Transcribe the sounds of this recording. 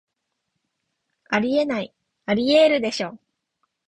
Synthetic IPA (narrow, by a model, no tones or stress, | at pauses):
aɾʲie̞nai | aɾʲieɾɯ̟d̪e̞ɕo̞ː